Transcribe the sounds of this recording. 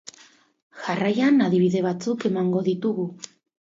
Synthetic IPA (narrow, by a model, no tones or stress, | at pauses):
ʝarajanaðiβ̞iðe̞β̞at͡suke̞maŋɡo̞ðit̪uɣu